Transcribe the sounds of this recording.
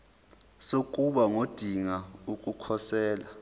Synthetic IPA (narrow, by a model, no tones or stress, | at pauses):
sok̬ʼuɓaŋod̥ʱiŋaukʼukʰɔsɛːla